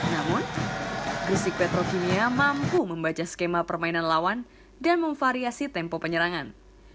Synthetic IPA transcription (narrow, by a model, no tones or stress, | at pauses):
namʊn | ɡɾisik̚pɛt̪ɾokiniamampuməmbat͡ʃaskemapərmainanlawan | danməɱfaɾiasit̪ɛmpɔpəɲəɾaŋan